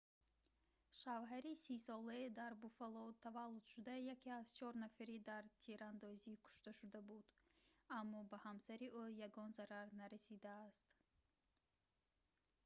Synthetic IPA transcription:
ʃavɦaɾisisɔlaed̪aɾbufalɔt̪ʰavalːud̪̥ʃud̪ajakiaz̥t͡ʃʰɔɾnafaɾid̪aɾt̪ʰiɾand̪ɔzikʰu̥ʃt̪aʃud̪abud̪amːɔbahamsaɾiʔujaɡɔnzaɾaɾnaɾasid̪aːst̪

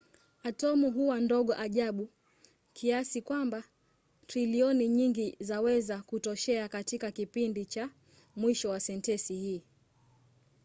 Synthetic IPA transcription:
atɔmuɦuwandɔɠɔʔaʄaɓu | kʰiasikwamba | tɾiliɔniɲiŋɡizawɛzakutɔʃɛakatikakipindit͡ʃa | mwiʃɔwasɛntɛsihiː

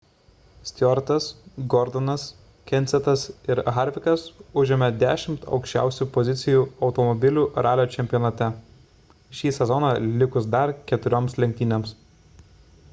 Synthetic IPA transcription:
sʲt̪ʲɔɾt̪ɐsɡɔɾd̪ɔnɐs | kʲɛnʲt̪sʲɛt̪ɐsɪɾɣɑɾʲʋʲɪkɐsʊʒʲɪmʲɛd̪ʲæːʃʲɪmt̪ʰɒ̰ʊkʃʲt͡ʃʲæ̰ˑʊsʲuːpɔzʲɪt̪sʲɪjuːɒʊt̪ɔmɔbʲɪlʲuːɾɑːlʲoːt͡ʃʲɛmʲpʲjɔnɐt̪ʲɛ | ʃʲiːsʲɛzɔnɑːlʲɪkʊsd̪ɐɾkʲɛt̪ʊɾʲoːmslʲɛŋʲk̚ʲt̪ʲiːnʲems

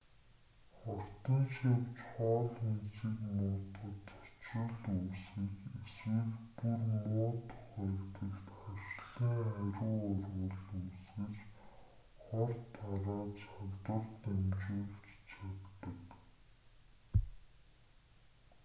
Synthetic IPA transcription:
χɔr̥t̪ĭnʃewt͡ɕχɔːɮensiːkmʊːt̪ə̆t̪ɔ̥t͡ɕrə̆ɮuːsiːkesweːxpurmʊːt̪ʰʊχæːkt̪ɘ̆kt̪χaʃɮiːŋæɾʲʊːɔrwə̆ɮuːsɡɘ̆t͡ɕ | χɔrt̪ʰːaɾaːt͡ɕawt̪ə̆rt̪æmt͡ɕeːɮt͡ɕt͡ɕʰat̪ːə̆k

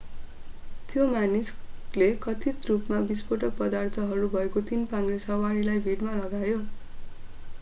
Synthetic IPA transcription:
t̪jomanid͡zlekʌt̪ʰit̪rupmabispoʈʌk̚pʌd̪art̪ʰʌɦʌɾubʱʌekot̪inpaŋɡresʌwaɽilajbʱiʈmalʌɡajo

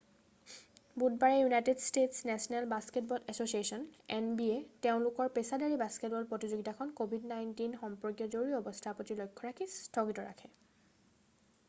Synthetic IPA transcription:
but̚baɹɛjunajtedstetsnɛsɔnɛlbasket̚bɔldɛsosiesɔnɛnbieteʊ̃lʊkɔɹpesadaɹibasket̚bɔlpɹɔtizoɡitakʰɔnkobʱidnajntinxɔmpɹɔɡjɔzoɹiɔbɔstʰapɔtilɔjkʰːɔɹakʰistʰɔɡitɔɹa̰kʰɛ

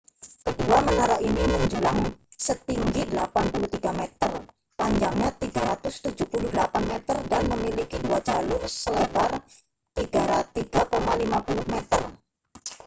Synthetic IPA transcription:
kəduamənaɾaʔiniməɲd͡ʒulaŋsət̪iŋɡidəlapanpuluht̪iɡamet̪ər | paɲd͡ʒaŋɲat̪iɡaɾat̪ʊst̪ud͡ʒupuluhdəlapanmɛt̪ərdanməmilikiduad͡ʒalʊrsəlebar | t̪iɡ̥aɾat̪iɡ̥akomalimapulʊhmet̪ər

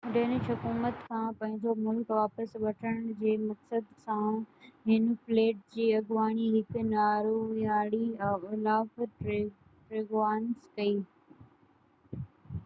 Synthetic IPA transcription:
ɗeːnɪʃɦɐkuːmət̪kʰãːpɐ̃ɦɪ̃ɲd͡ʑomʊlkʋaːpəsʋɐʈʰəɽ̃d͡ʑeːmɐksəd̪sãɦɪnfleːʈ̚d͡ʑiːɐɡʋaːɽ̃iɦɪk̆ʰnaːɾujaːɽiɪlaːf | ʈɾeːɡʋaːnskɐiː

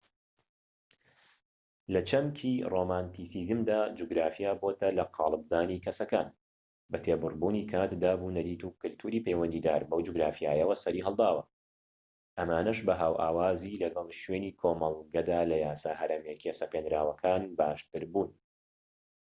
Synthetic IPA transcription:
lɐt͡ʃʰɐmkʰiːromaːnt̪isiːzɨmd̪aːd͡ʒuɡɾaːfijaːboːt̪ɐlɐqʰɑːlˠɨb̚d̪aːniːkʰɐsɐka̰ːn | bɐt̪ʰeːbʊrbuːniːkʰaːt̪d̪aːbunɐɾiːt̪uːkɨlt̪ʰuːɾiːpejwɐnd̪iːd̪aːɾbɐwd͡ʒuɡɾaːfijaːjɛwɐsɐɾiːɦɐlˠd̪aːwɐ | ʔɐmaːnɐʃbɐɦaːwʔa̰ːwaːzilɐɡɐlˠʃweːniːkʰoːmɐlˠɡɐd̪aːlɐjaːsaːhɐɾɐmjekesɐpenɾaːwɐkʰaːnbaːʃt̪ɨɾbuːn

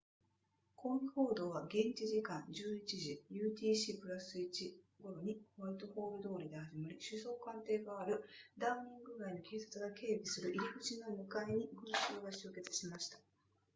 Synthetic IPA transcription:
kʰo̞ːɡʲiho̞ːd̪o̞ːβaɡẽ̞ɲt͡ɕiʑikãɲd͡ʑɨːit͡ɕiʑijɯ̟ːt̪ʲiːɕipɯ̟ɾasɨit͡ɕi | ɡo̞ɾo̞ɲ̟ikoβait̪o̞ho̞ːɾɯ̟d̪o̞ːɾʲid̪e̞haʑimaɾʲiɕɨso̞ːkãnt̪e̞ːɡaːɾɯ̟d̪aɯɲ̟ĩŋɡɯ̟ɡaiɲ̟ikʰeːsat͡sɨɡake̞ːbʲisɨɾɯ̟ʔiɾʲiɡɯ̟t͡ɕinomɯ̟kaiɲ̟iɡɯ̟̃ɰɕɨːɡaɕɨːke̞t͡sɨ̥ɕimaɕi̥t̪ḁ

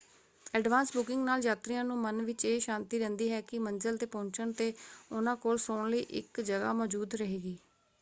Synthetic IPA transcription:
ɛːɖʋaːnsbʊkɪ̃ŋɡnaːljaːt̪ɾiːãːnũːmənʋɪt͡ʃeːʃãːnt̪iːɾɛ̃ːnd̪iːɦɛːkɪmənd͡ʒəlt̪eːpõːɲt͡ʃəɳt̪eːʊnãːkoːlsoːɳləiːʔɪ̰kd͡ʒəɡa̰ːmɔːd͡ʒuːd̪ɾəɦeːɡiː

